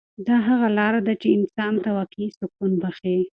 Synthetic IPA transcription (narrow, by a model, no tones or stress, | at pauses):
d̪ɑɦaɣalɑɾad̪at͡ʃeɪnsɑnt̪awakisʊkunbaxe